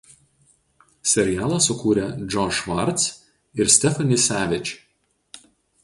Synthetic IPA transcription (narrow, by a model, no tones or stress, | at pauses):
sʲɛɾʲɪjæːlˠɐsʊkuːɾʲɛd͡ʒʲɔʃʋɐɾʲt̪s | ɪɾsʲt̪ʲɛfɐnʲɪsʲæːʋʲɪt͡ʃʲ